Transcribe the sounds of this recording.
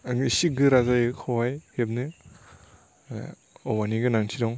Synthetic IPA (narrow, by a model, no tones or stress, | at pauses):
ŋsik̚ɡɯɾazajkʰɔwajheb̚nɯ | ɔwaniɡɯnaŋtʰidɔŋ